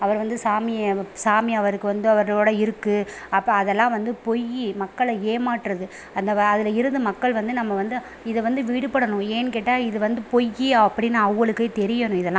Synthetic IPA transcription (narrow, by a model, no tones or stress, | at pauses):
ɐʋɐɾʋɐnd̪ɯsaːmɪjɐsaːmɪɐʋɐɾɯkːɯʋɐnd̪ɯɐʋɐɾɭoːɽɐɪɾɯkːɯɐpːɐːðɛlːãːʋɐnd̪ɯpɔjːimɐkːɐɭɐeːmaːʈːɾɐðɯ | ɐnd̪ɐɐðɪlɐɪɾɯðɯmɐkːɐɭʋɐnd̪ɯnɐmːɐʋɐnd̪ɯ | ɪðɛʋɐnd̪ɯʋiːɽɯpɐɽɐnʊ̃eːnkeːʈːaːɪðɯʋɐnd̪ɯpɔjːiɐpːɐɽɪnːaɐːɐɭɯkːɐɪt̪ɛɾɪjɐnʊ̃ɪðɛlːãː